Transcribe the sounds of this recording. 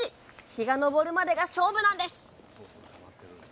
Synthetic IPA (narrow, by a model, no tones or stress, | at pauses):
içiɡano̞bo̞ɾɯ̟mad̪e̞ɡaɕo̞ːbɯ̟nãnd̪e̞sɨ̥